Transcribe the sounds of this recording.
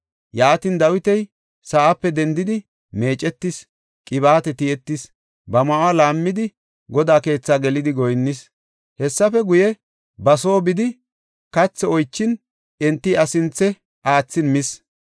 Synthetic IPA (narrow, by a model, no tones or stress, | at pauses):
jaːt̪ɪnd̪ɐwɪt̪ɛj | saʔapːɛd̪ɛnd̪ɪd̪ɪ | me̞ːt͡ʃʼɛt̪ːɪs | kʼɪβaːt̪ɛt̪ɪɛt̪ːɪs | bɐmɐwaːlaːmːɪd̪ɪ | ɡɔd̪aːke̞ːt͡sːaːɡɛlɪd̪ɪɡɔjnːɪs | hɛsːɐfɛɡʊjɛ | bɐso̞ːbɪd̪ɪ | kɐt͡sːɛɔjt͡ʃːɪn | ɛnt̪ːiɐsɪnt͡sːɛ | ʔaːt͡sːɪnmɪs